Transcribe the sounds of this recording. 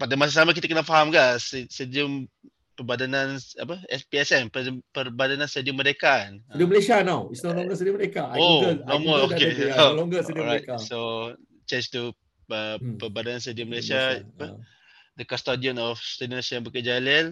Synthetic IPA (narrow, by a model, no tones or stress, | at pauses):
padamas̬as̬amak̬it̪akənaʔfaɦamɡaʔssədiəm | pəbadanãna̰pəɛspiɛsɛmpəpərbadanãnstadiəmːəɾekandiəməlesianawisnɔlɔ̃ŋɡəsediəməɾekaaoɡənomɔokelɔŋɡəsdɹataso | t͡ʃẽnd͡ʒt̪u | əpəbadanans̬tediəməlesiaapə | dəkɔst̪adiɔnɔfstedinsãnbəkəd͡ʒalɛl